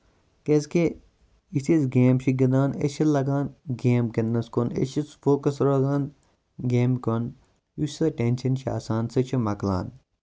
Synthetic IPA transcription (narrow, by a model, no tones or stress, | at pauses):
kezke | isizɡeːmʃiɡɐd̪ãːnḛʃɐlɐɡaːnɡeːmkɐnnɐskonḛʃisfoːkɐsɾɐɡãːn | ɡeːmkon | ussɐʈenʃɐnʃa̰ːsaːnsɐt͡ʃʰɐmɐkla̰ːn